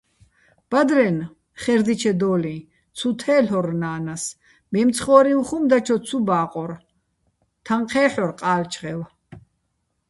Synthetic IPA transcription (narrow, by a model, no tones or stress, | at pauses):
b̥ad̪ɾɛn | χɛɾd̪it͡ʃʰɛd̪ɔːli | t͡sʰut̪ʰɛːɬɔɾnaːnas | mɛmt̪t͡sʰχɔːɾiwχumd̪at͡ʃʰɔt͡sʰubaːqʼɔɾ | t̪ʰaɴqʰɛːħɔɾqʼaːlt͡ʃʰχɛw